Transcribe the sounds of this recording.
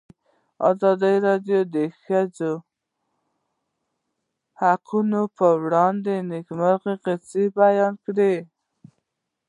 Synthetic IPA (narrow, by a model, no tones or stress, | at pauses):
ɑ̰zɑd̪əjɾɑd̪jod̪əxad͡ʒo | haqʰunopəwɽɑnd̪enɪkmaɾqeqet͡sibajɑnkɽe